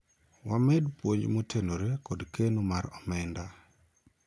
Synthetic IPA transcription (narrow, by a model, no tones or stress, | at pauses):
wamɛdpwoɲd͡ʒmotʰenoɾekɔdkenumaɾɔmɛnda